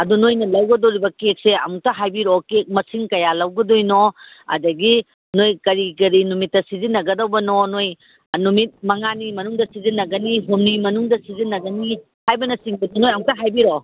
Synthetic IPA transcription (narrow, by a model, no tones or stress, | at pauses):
ɐdunojnɐlɐwɡɐdoɾibɐkek̚seɐmuk̚tɐɦajbiɾokek̚mɐsiŋkɐjalɐwɡɐdojno | ɐ̰dɐɡi | nojkɐɾikɐɾinumitːɐsizinːɐɡɐdɐwbɐnonoj | numit̚mɐŋanimɐnuŋdɐsizinːɐɡɐniɦomnimɐnuŋdɐsizinːɐɡɐni | hajbɐnɐsiŋbɐdunojɐmuk̚tɐɦajbiɾo